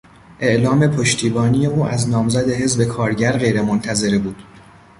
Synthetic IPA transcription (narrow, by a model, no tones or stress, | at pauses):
ʔe̞ʔlɒːme̞pʰoʃt̪ʰiːbɒːnije̞uːʔæznɒːmzæd̪e̞ɦe̞zbe̞kʰɒːɾɟæɾɢe̞jɾe̞mont̪ʰæze̞ɾebuːd̪̥